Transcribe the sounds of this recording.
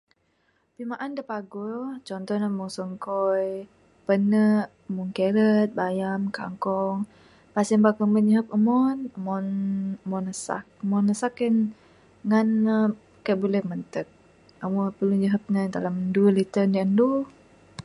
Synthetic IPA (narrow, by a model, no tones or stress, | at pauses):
pimaʔandəpaɡɔt͡ʃɔnt̪ɔnamɔŋsəŋkɔj | pənəʔ | əmuŋkelət̪̚bajamka̰ŋkɔŋ | pasimbakəmbəɲəɦəp̚əmɔnəmɔnəmɔnəsa̰k̚əmɔnːəsakːən | ŋanə | kajʔbulɛhmənt̪ək̚ | əmɔpəluɲəɦəp̚nad̪alamndulit̪ənjandu